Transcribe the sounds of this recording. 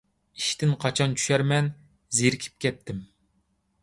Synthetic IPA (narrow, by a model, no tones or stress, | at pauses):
i̥ʃt̪ɪnqʰɑt͡ʃʰɑnt͡ʃʰy̥ʃɛɾmɛn | zeɾkʲʰi̥p̚kʲɛt̪ʰːɪm